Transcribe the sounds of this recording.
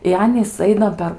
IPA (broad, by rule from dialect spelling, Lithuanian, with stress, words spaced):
ɪ ˈɑːnʲiːs ˈɐɪnɐ pʲɛr